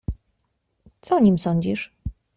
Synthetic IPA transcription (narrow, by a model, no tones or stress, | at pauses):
t̪sɔɲimsɔɲd͡ʑiʂ